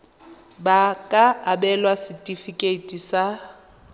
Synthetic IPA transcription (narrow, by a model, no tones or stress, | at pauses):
bakʼaabɛlwasitʼifikʼetʼisa